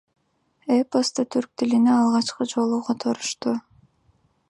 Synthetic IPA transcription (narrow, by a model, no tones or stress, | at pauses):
epost̪ət̪ʰyɾk̚t̪ilineɑlˠʁɑt͡ʃqɯd͡ʒo̞lˠuqʰot̪ʰo̞ɾuʃt̪u